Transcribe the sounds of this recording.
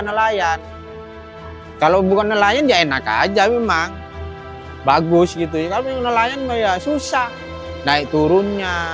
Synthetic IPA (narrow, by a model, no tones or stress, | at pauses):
nəlajan | kalobukanːəlajandiaenaka̰d͡ʒamemaŋ | baɡʊsɡit̪̬uakalonəlajanmajasusah | naɪʔt̪uɾʊnɲa